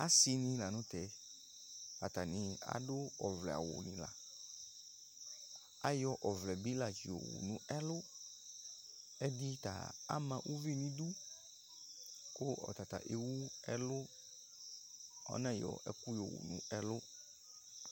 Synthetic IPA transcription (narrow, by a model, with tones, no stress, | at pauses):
a˦si˨nĩ˨la˨nʊ̃˦t̪ɛ˨ | a˨t̪a˨nĩ˨a̰˦dʊ˦ɔ˨vlɛ˨a̰˨wʊ̰˨nḭ̃˨la̰˨ | a˦jɔ˦ʔɔ˨vlɛ˨bi˦la˨d͡ʒi˨o̰˨wṵ˨nũ˨˦ɛ˦lʊ˦ | ɛ˦di˦t̪a̰˨a̰˦mã˨ʔu˦vi˦nĩ˦d̪u˦ | kʊ˦ɔ̰˨t̪a˨t̪a̰˨ʔe˨wu˦ɛ˦lʊ˦ | ɔ̰˦nã˦jɔ̰˨ɛ̰˦ku˦jɔ˨wṵ˨nṵ̃˦ɛ˦lʊ˦